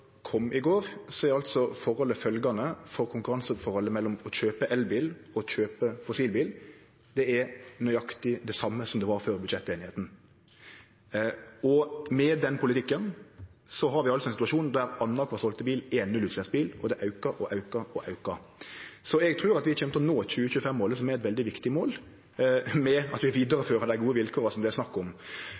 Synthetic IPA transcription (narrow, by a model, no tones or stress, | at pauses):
kʰɔmːʔɪɡoːʁsɔɛɾdɛɑlt̪sɔfɔɾɔlːəfœlɡɑnəfɔɾkʰʊŋkʉʁɑnsəfɔɾhɔlːəmɛlːɔmɔçøːpəʔɛlbiːlɔçøːpəfɔsiːlbiːl | d̪ɛɛɾnœʏɑkt̪ɪd̪ɛsɑmːəsɔmd̪ɛʋɑɾføːɾbʉd̪ʃɛt̪ːeːnɪheːt̪n̩ | ɔmɛd̪ɛnːəpʰʊlɪt̪ʰɪkːənsɔɦɑɾʋɪɑlsɔɛnsɪt̪ʉɑʃuːnd̪æɾɑnːɑkʰɑsɔlt̪əbiːleːnnʉlʉːt̪sæːsbiːlɔd̪ɛʔɑʉkɑɾʔɔʔɑʉkɑɔʔɑʉkɑsɔɛɡt̪ʰʁʉːʁɑt̪ʋɪɑçʰɛmt̪ɔnoːçʉːəçʉːəfɛmːoːləs̬ɔmæɾɛt̪ʋɛld̪ɪʋɪkt̪ɪmoːl | mɛɑt̪ʋɪʋiːd̪əɾəføːɾɑd̪æɪɡuːəʋɪlkʰoːɾəsɔmd̪ɛsnɑkːɔm